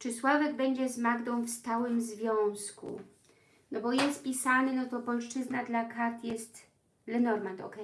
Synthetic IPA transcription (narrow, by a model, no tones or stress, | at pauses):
t͡ʂɘswavɛɡ̚bɛɲd͡ʑɛzmaɡd̪ɔ̃w̃fst̪awɘmzvʲjɔ̃w̃skṵ | nɔbɔjɛst̪pʲisanɘnɔt̪ɔpɔlʂt͡ʂɘznad̪lakaɾt̪jɛst̪ | lɛnɔɾmant̪ɔ̰kɛ